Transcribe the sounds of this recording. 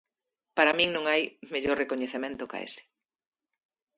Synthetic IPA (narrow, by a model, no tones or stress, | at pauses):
paɾamĩŋnõŋajmeʎoɾrekoɲeθemẽnt̪ʊka̰ḛsɪ̥